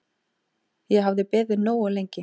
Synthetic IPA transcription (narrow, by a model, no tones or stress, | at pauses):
jɛɦavðɪpɪːðɪnoːwʏlejɲcɪ